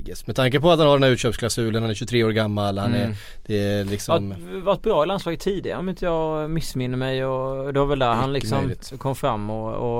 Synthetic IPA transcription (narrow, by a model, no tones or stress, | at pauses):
mɛt̪ʰaŋk̬əpɔat̪hanhaɖɛnæʉːt̪ɕœːpskʰlasʉːlənhanæɾɕɵt̪ʰɾeːoːɾɡamːalhanɛɾ | d̪̥ɛlɪksɔmvat̪̚bɾɑːɪlanslɑːɡət̪ʰːiːd̪ɪɡa̰ɔmɪnt̪əjɑːɡmɪsːmɪnːəmɛjɔd̪ɛvaɾvɛld̪æɾɦanlɪksɔm | kʰɔmːfɾamːɔɔ